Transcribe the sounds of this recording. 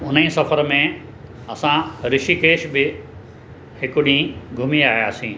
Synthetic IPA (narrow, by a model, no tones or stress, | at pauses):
ʊnĩsɐfəɾmẽ | ɐsãɾɪʃikeːʃbɪ | hɪkʊɗĩɡʱʊmiaːɦijaːsĩː